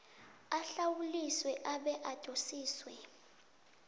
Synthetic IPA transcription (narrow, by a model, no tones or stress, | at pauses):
aɬawuliswɛʔaɓɛʔad̥ʱʼosiːswɛ